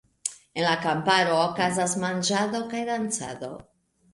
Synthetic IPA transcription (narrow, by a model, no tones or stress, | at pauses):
e̞nlakampaɾo̞ːkazasmand͡ʒado̞kajdant͡sa̰do̞